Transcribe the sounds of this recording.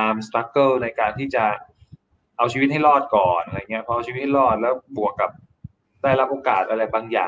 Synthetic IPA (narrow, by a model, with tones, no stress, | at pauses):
aː˧mst̪a˦˥kːɤː˥˩na˧jkaː˧nt̪ʰiː˥˩t͡ɕa˨˩ | ʔa˧wt͡ɕʰiː˧wt̪̚ha˥˩jlɔː˥˩t̪̚kɔː˨˩nʔɾa˧˨˩ŋːi˦˥ɐpʰɔ˧a˧wt͡ɕi˧i˦˥ha˥˩lɔː˥˩t̪̚lɛː˦˥wbu˨˩əkːa˨˩p̚ | daː˥˩jla˦˥p̚ʔoː˧kaː˨˩t̪̚ʔa˧ɾa˧jbaː˧ŋja̰ː˨˩